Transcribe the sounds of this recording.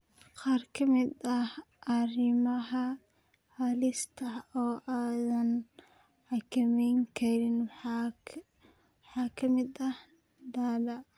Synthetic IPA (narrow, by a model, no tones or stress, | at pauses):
qɑːrkʰɐmɪd̪ɐh | ʔɐrɪmɐɦɐ | hɐlɪst̪ʰɐɔːʔaːðɐn | ħɑkʰɐmɛjŋkʰɐɾɪnw | wħɑːkʰɐmɪd̪ɐh | d̪aːdɐ